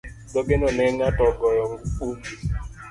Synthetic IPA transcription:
dɔɡenɔneŋatɔɡɔɾɔm̩ud͡ʒi

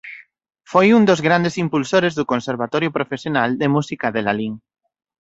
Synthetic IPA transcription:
fojund̪ozɣɾand̪esimpulsoɾezðukonseɾβ̞at̪ɔɾjopɾofesjonald̪emusikaðelaliŋ

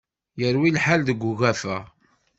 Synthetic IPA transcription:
jəɾwilħald̪əɡʷːʊɣæfæ

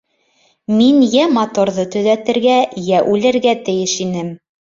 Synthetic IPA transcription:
minjæmɑt̪oɾðɤt̪ɵ̆ðæt̪ɘ̆ɾɡæjæʔʉlɘ̆ɾɡæt̪ɘ̆jɘʃinɘm

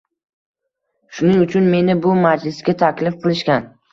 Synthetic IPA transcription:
ʃʊnɪŋʊt͡ʃʰʊnme̞nɪbʊmad͡ʒlɪsɡʲat̪ʰakʲlɪfqɨlˠɪʃkʲan

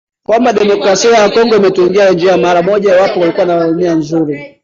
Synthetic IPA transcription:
kwambaɗɛmɔkɾasiajakɔŋɡɔimɛtuŋɡiand͡ʒiamaɾamɔʄawapɔwalikuwanawunianzuɾi

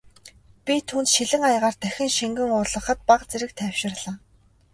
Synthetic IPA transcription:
pʲit̪ʰuːnt̪ʃiɮɘ̆ŋajʁaːrt̪ʰæxʲɪ̆ŋʃiŋɡɘ̆ŋʊɮə̆χə̆t̪̚paqt͡seɾɘ̆k̚t̪ʰæw̥ʃɪ̆rɮăː

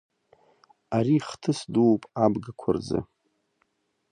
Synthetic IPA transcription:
aɾiχtʰɨsduwpʼabɡakʷʰʊrzɨ̰

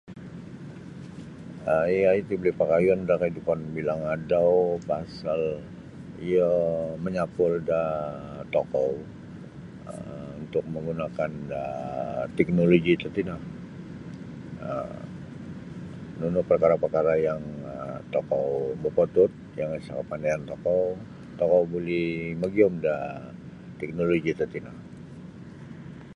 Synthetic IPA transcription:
əiait̪iblɪpakajɔndakəidupanbilaŋadawpasal | ijəməɲapʊldat̪okɔw | əunt̪ʊk̚məŋɡunakandat̪ɛk̚noloɡit̪ət̪inah | ə̰ | nunʊhpərkaɾapərkaɾajaŋt̪okɔwbərpot̪ʊt̪̚jaŋisakəpandajant̪okɔw | t̪okɔwbuliməɡiɔmda | t̪ɛk̚noloɡit̪ərt̪inah

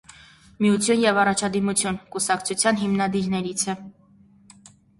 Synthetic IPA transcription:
mijut͡sʰjunjɛvɑrɑt͡ʃʰɑd̪imut͡sʰjunkusɑkt͡sʰut͡sʰjɑnɦimnɑd̪iɾnɛɾit͡sʰɛ

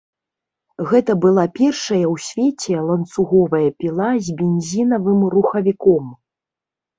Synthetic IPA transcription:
ɣɛt̪ɐbɨlˠapʲɛrʂɐjɐwsʲvʲɛt͡sʲɛlˠɐnt̪suɣɔvɐjɐpʲilˠazʲbʲenʲzʲinɐvɨmruxɐvʲikɔm

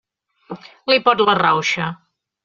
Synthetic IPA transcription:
lipɔt̪lərawʃə

